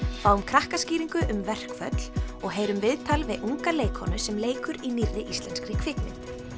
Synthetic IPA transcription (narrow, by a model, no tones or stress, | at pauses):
faːwʏmkʰɾahkasciːɾiŋkʏʔʏmvɛr̥kfœ̰t̪l̥ɔɣɦeːjɾʏmvɪðt̪ʰalvɪðuŋkaleːjkhɔnʏsɛmleːjkʏɾiniɾðɪʔist̪lɛnskɾiːkʰfɪknɪ̰n